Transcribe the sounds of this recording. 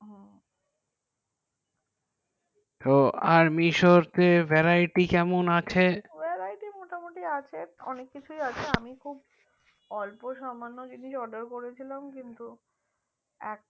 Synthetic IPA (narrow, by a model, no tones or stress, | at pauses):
ɦ | t̪oaɾmiʃoɾt̪evɛɾaiʈikɛmonat͡ɕʰeveɾajʈimoʈamoʈiat͡ɕʰeɔnekːit͡ɕʰujat͡ɕʰeamikʰub | ɔlpoʃɔmanːod͡ʑiniʃɔɖəɾkoɾet͡ɕʰilamkint̪u | ɛk̚